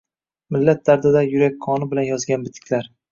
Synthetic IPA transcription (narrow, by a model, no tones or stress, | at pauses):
mɪlːat̪̚d̪aɾd̪ad̪ajʊɾakʲqʰɒnɪbɪlanjɒzɡʲanbɪt̪ʰːɪ̥kʲʰlaɾ